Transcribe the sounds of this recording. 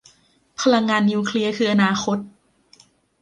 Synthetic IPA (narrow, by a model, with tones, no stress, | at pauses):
pʰa˧ɾa˧ŋːaː˧nːiː˧kʰli˧ɐkʰɯː˧ʔa˧naː˧˩xʰo˦˥t̪̚